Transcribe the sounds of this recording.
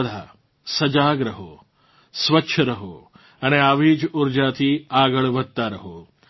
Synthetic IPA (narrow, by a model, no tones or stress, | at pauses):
d̪ʱa̰ | sɐd͡ʒaːɡɾəɦo̰ː | sʋətːʃʰəɾɐɦo | ɐneaːʋiːd͡ʒuɾd͡ʒat̪ʰiːaːɡəɭʋəd̪̚t̪aɾɐɦoː